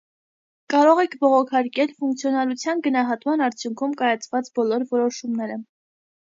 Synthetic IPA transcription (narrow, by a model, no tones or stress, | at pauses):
kɑɾɔʁɛkʰbɔʁɔkʰɑɾkɛlfuŋk̚t͡sʰjɔnɑɾut͡sʰjɑnɡənɑɦɑt̪mɑnɑɾt͡sʰjuŋkʰumkɑjɑt͡sʰvɑt͡sbɔlɔɾvɔɾɔʃumnɛɾə